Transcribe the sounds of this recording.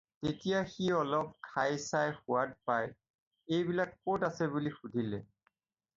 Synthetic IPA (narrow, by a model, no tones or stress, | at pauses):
tetijaxiɔlɔp̚kʰajsajxʊwad̚paj | ejbilakpotasɛbulixudʱilɛ